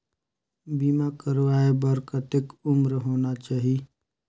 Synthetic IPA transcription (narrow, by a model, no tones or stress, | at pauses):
biːmakəɾʋaːebəɾkət̪ɪkʊmɾɦoːnat͡ʃaːɦi